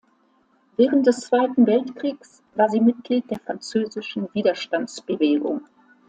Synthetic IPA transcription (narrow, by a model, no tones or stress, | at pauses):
vɛːʁənt̚d̥ɛst͡sv̥aɪtn̩vɛltkʁ̥iːks | v̥aːɐziːmɪt̚ɡ̥liːt̚d̥eːɐfʁ̥ant͡søːzɪʃn̩viːdɐʃtant͡sb̥əveːɡʊ̰ŋ